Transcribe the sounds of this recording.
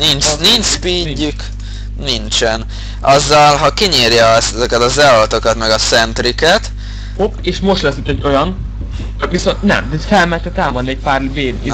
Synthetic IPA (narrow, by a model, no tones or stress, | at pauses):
nint͡ʃnint͡ʃpiːɟːyk | nint͡ʃɛn | ʔɒzːɒlɦɒkiɲeːrjɛsɛzɛkɛt̪ɒzɛlolt̪o̞kɒt̪mɛɡɒsɛnt̪rikɛt̪ | opeːʃmo̞ʃt̪lɛsyt̪ːɛɟːo̞jɒn | t͡ʃɒkʋiso̞nt̪nɛ̰md̪fɛlmɛlt̪ɛt̪aːmonːɛc̚paːrbeːl